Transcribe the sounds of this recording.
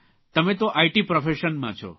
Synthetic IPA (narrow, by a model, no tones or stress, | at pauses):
t̪əmẽt̪oʔaiʈipɾɔfʰeʃənmã̰t͡ʃʰɔ̰